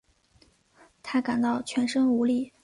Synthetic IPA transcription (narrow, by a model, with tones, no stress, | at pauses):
t̪ʰa˥ka˨˩nt̪ɑ˥˩ʊt͡ɕʰɥɛ˧˥nʂɤ˥ŋu˧˥li˥˩